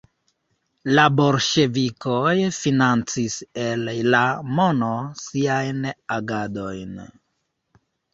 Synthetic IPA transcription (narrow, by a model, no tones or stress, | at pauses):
labo̞lʃe̞vikʰojfinant͡sise̞llamo̞no̞siajnaɡado̞jn